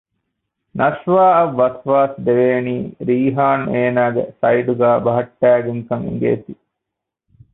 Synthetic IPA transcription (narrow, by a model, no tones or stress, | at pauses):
nɐʃʋaːɐʋːɐsʋaːsd̪eʋeːniːɾiːɦaːneːnaːɡḛsɐjɖuɡæːbɐɦɐʈːæːɡeŋkɐŋḭŋ̆ɡḛːt̪i